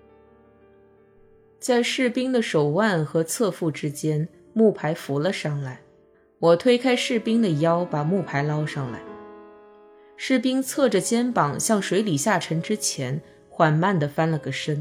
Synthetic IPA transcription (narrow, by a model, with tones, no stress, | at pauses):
t͡sa˥˧ɪʂɻ̩˥˩pi˥ŋd̪ə˨ʂo˨˩ʊwa˥˩nxɤ˧˥t͡sʰɤ˥˧fu˥˩ʈ͡ʂɻ̩˥t͡ɕjɛ˥n | mu˥˩pʰa˧˥ɪfu˧˥lə˧ʂɑ˥˩ŋla˧˩ɪ | wɔ˨˩t̪ʰwe˥ɪkʰa˥ɪʂɻ̩˥˩pi˥ŋd̪ə˨jɑ˥ʊpa˨˩mu˥˩pʰa˧˥ɪlɑ˥ʊʂɑ˥˧ŋla̰˧˩ɪ | ʂɻ̩˥˩pi˥ŋt͡sʰɤ˥˩ʈ͡ʂə˩t͡ɕjɛ˥npɑ˨˩ŋɕjɑ˥˩ŋʂwe˧˥ɪli˨˩ɕja˥˩ʈ͡ʂʰɤ˧˥ŋʈ͡ʂɻ̩˥t͡ɕʰjɛ˧˥n | xwa˨˩nma˥˩nd̪ə˩fa˥nlə˨˩ɡə˩ʂə˥n